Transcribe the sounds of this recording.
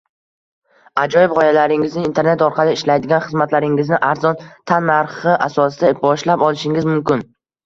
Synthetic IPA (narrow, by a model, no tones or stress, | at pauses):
ad͡ʒɒjɪbpʁɒjalaɾɪŋɪznɪːnt̪ʰe̞ɾne̞t̪ɒɾqʰɑlɪɪʃlajd̪ɪɡʲanχɨzmat̪laɾɪŋɪznɪʔaɾzɒnt̪ʰanːaɾχɪʔasɒsɪd̪abɒʃlapɒlˠɪʃɪŋɪzmʊmkʲɪn